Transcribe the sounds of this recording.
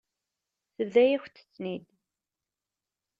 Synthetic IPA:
θəvðæjæçʷt̪ːə̥t͡sːnid̪

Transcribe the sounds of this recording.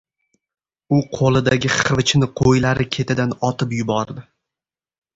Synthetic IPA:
ʊqʰolˠɪd̪aɡʲɪχɨvɪt͡ʃnɪqʰojlaɾɪkʲʰe̞t̪ʰɪd̪anɒt̪ʰɪpjʊbɒɾd̪ɪ

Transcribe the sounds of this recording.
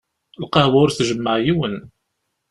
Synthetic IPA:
lqɑhwʊɾθʒəmːəʕjiwən

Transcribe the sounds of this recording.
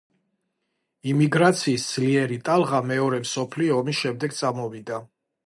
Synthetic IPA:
imiɡɾat̪sʰiːsd̪z̥liɛɾit̪ʼalˠʁamɛɔɾɛmsɔpʰliɔːmisʃɛmd̪ɛɡt̪sʼamɔvid̪a

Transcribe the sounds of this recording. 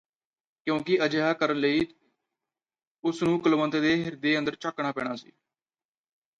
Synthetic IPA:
kjõːkɪʔəd͡ʒeɦaːkəɾənləiː | ʊsnũːkəlmənt̪ed̪eːɦɪɾd̪eːənd̪əɾt͡ʃəkɳaːpɛ̰ːɽ̃aːsḭː

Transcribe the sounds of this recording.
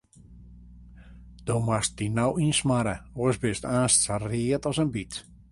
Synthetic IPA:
d̥omwast̚dinawinsmaɾəoəsbɪstaːnstsariətɔsənbit

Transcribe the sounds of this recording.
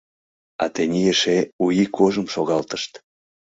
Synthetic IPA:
ɑ̰t̪enʲijeʃeujikʰoʒəmʃoɣɑlt̪ə̥ʃt̪

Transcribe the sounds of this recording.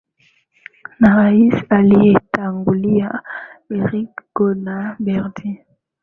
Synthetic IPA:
naʁaisalietaŋɡulijaeʁikɡ̥onabɛʁdi

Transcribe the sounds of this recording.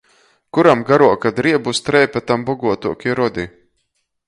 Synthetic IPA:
kuɾamɡaɾuɔkad̪ɾiɛbust̪ɾɛjpɛt̪ambɔɡuɔt̪uɔkʲiɾɔd̪ʲi

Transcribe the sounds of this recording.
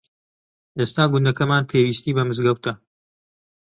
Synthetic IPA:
ʔeːst̪aːɡʊnd̪ɐkɐmaːnpʰeːwiːst̪iːbɐmɨzɡɐwt̪ʰɐ

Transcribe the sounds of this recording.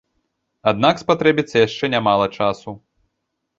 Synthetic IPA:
ad̪nakspat̪ɾɛbʲit̪sːɐjaʂt͡ʂɛnʲamalˠɐt͡ʂasu

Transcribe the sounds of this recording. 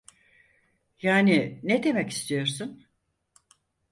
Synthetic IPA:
jaːnined̪e̞mɛci̥st̪ʰijo̞ɾsun

